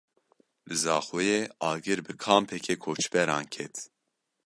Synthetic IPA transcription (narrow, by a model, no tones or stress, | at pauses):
lɨzɑːxujeːɑːɡɨɾbɨkʰɑːmpʰɛkʰeːkʰoːt͡ʃbɛɾɑ̰ːnkʰɛt̪